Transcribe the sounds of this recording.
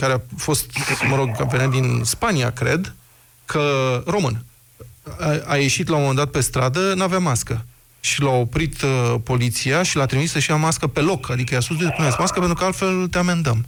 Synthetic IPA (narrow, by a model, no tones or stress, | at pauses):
kaɾeafo̞st̪məɾo̞ɡ̚kampʲeonet̪̚d̪inspania̰kɾe̞̰d̪ | kʰəro̞mɨn | aje̞ʃit̪lawomomend̪at̪pe̞st̪ɾad̪ənaveamaskə | ʃilao̞pɾit̪po̞lit̪siaʃilat̪ɾimisəʃiamaskəpe̞lo̞kʰad̪ikəjaskus̬d̪epunesmaskəpe̞nt̪ɾukəalt̪fe̞lt̪eame̞nd̪əm